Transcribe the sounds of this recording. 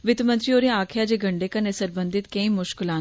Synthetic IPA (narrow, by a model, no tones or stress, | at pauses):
ʋɪt̪mə̃nt̪ɾioːɾĩaːkʰjaːd͡ʒeːɡəɳɖeːkanesəɾbə̃nd̪ɪt̪kẽĩːmʊʃkɪlãː